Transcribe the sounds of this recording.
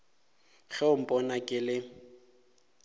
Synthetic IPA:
ɣɛʊm̩pʼɔnakʼɪlɪ

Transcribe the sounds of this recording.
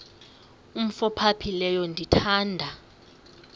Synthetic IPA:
um̩fɔpʰapʰilɛjɔndʱitʰaːndʱa

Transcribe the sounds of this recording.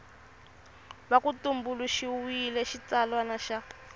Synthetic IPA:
βakutumbuluʃiwilɛʃit͡salwanaʃa

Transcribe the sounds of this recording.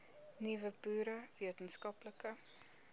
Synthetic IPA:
nivəbuːɾəviətənskɐpləkə

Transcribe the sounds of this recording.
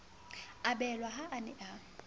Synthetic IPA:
abɛlwaɦaʔːnɪʔa

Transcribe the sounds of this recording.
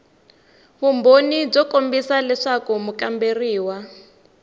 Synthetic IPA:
βumbonib͡ʐɔkombisalɛʂakumukamberiːwa

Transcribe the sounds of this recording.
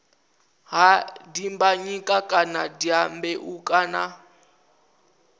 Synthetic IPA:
ɦadimbaɲikʼakʼanadiambɛʔukʼana

